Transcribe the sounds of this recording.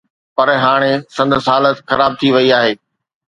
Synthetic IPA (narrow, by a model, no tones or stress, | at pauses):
pɐɾɦaːɽ̃esɐ̃nd̪ʱsɦaːlət̪xɐɾaːb̚t̪ʰiʋɐiaːɦeː